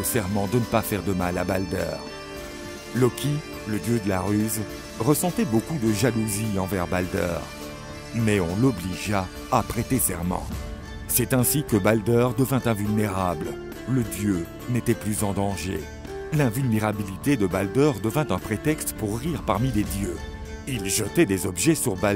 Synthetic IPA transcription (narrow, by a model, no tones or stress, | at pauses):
osɛʁmɑ̃d̪ənəpafɛʁd̪əmalabald̪œ̰ːʁ | lɔkʰʲi | ləd̪jød̪əlaʁyz | ʁəsɑ̃t̪ɛbokud̪əʒaluziɑ̃vɛʁbald̪œ̰ʁ | mɛɔ̃lɔbliʒaː | pχet̪esɛʁmɑ̰̃ | sɛt̪ɛ̃sikəbald̪œʁd̪əvɛ̃t̪ɛ̃vylneʁabl | ləd̪jø | net̪ɛplyzɑ̃d̪ɑ̃ʒḛ | lɛ̃vylneʁabilit̪ed̪əbald̪œʁd̪əvɛ̃t̪ɛ̃pχet̪ɛkst̪puʁːiʁpaʁmiled̪jø | ilʒət̪ɛd̪ezɔbʒɛsyʁba